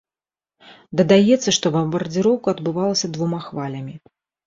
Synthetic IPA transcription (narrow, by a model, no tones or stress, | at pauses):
d̪ɐd̪ajɛt̪sːɐʂt̪ɔbɐmbɐrd͡zʲiɾɔwkɐɐd̪bɨvalˠɐsʲɐd̪vumaxvalʲɐmʲi